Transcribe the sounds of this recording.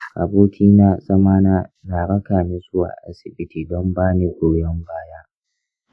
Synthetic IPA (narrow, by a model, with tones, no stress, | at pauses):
ʔa˨boː˦kʲʰiː˦naː˨sʼɐ˦maː˦naː˦naː˨ɾɐ˦kaː˨mɪ˦zʊ˦wa̰ː˨ʔa̰˦sɪ˨bɪ˦tiː˨dɔ˦mbaː˦niː˨kʷoː˦jɔ˦mbaː˦jaː˦